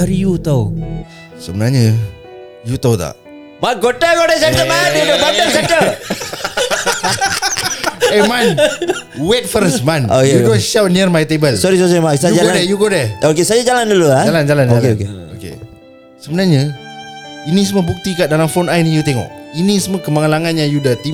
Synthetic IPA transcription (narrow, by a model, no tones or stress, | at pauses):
aɾijut̪aw | səbənaɲə | jut̪awt̪a̰ʔ | makɡoʈəɡodɛsɛntəmanɡoəsɛtə | emãn | wɛt̪̚fəɾsmãnokjeudonʃawnirmajt̪ebəlsɔɾisɔsɔɾimaksaud͡ʒaɡadɛjuɡodɛokesajad͡ʒalandululad͡ʒaland͡ʒalandakekeo̰kḛ | səbənarɲa | inis̬əməbuk̚t̪ikaʔdalamfonajnĩjut̪ɛŋɔ̰k̚inĩsəməkəmaŋəlaŋãnjãjudət̪i